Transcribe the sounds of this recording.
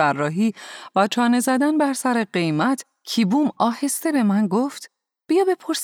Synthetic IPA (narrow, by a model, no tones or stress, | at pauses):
ærːɒːɦiːvæt͡ʃʰɒːne̞zæd̪ænbæɾsæɾeɢe̞jmæt̪ʰ | cʰiːbumɒːhe̞st̪e̞be̞mænɡoːft̪ | b̥ijɒːbe̞pʰoɾs